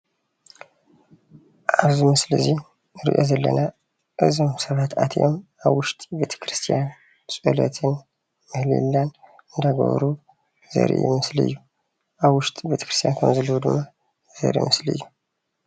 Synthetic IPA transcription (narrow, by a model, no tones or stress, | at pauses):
ʔaβzumɨslɨzi | ɨɾḭʔozɐlːəna | ʔɨzimsəβat̪at̪ʰʔomʔaβwʊʃt̪ʼbet̪ʰə̥kɾɨst̪ʰijan | sʼɨlə̰t̪ʰɨn | mɨhlḭlːan | ʔɨnd̪aɡo̰βɾu | zə̰ɾḛjɪməslɨ̰jːu | ʔaβwʊʃt̪ʼbjet̪ʰə̥kɾɨst̪ijankʰəmzɨlːəwud̪ɨmːa | zə̰ɾḛməslɨ̰jːu